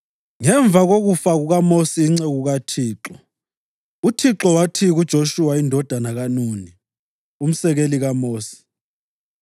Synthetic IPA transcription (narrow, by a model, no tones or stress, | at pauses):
ŋɛɱb̪vʱaɣoɣufaɣuɣamosiːŋ͡ǀeɣuɣatʰiːǁɔ | utʰiǁɔwatʰiɣud̥ʒ̥ʱoʃuwaindʱɔd̥ʱanaɣanuːni | um̩sɛɣeliɣamoːsi̥